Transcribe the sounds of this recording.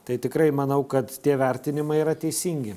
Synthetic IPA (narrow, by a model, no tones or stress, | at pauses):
t̪ɐɪt̪ʲɪkɾɐɪmɐnɐʊkɐt̪t̪ʲiɛʋʲɛɾʲt̪ʲɪnʲɪmɐɪiɾɐt̪ʲɛɪsʲiːŋʲɡʲɪ